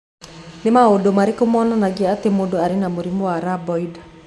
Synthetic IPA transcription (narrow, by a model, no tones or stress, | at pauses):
nemaodomaɾikomɔnanaɡiaat̪emodoaɾinamoɾimoaɾabɔida